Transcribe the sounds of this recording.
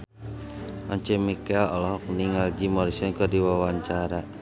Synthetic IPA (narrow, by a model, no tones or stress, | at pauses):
ʔɔɲt͡ʃɛmikɛlɔlɔɦɔk̚niŋald͡ʒimɔɾisɔnkɔdiwawaɲt͡ʃaɾa